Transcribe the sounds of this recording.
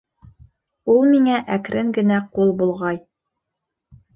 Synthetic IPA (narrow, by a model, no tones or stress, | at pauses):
ulˠmiŋæʔækɾʔɘŋɡɘ̆næqulˠbulˠʁɑj